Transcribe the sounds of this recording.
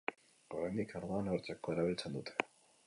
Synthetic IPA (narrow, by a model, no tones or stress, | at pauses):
oɾajnd̪ikʰaɾðoanɾt͡sekʰːoeɾaβilt͡send̪ut̪ʰe̥